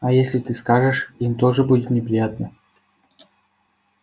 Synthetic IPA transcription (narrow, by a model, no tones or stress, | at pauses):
ɐjesʲlʲɪt̪ɨskaʐɨʂimt̪oʐɨbudʲɪt̪nʲɪpɾʲɪjat̪̚nə